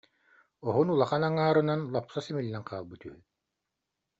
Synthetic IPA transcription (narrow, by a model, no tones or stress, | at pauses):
ɔɦɔnulˠaχanaŋaːɾɯnanlˠɔpsasɛmilʲːɛŋqʰaːlˠbɯt̪yɦy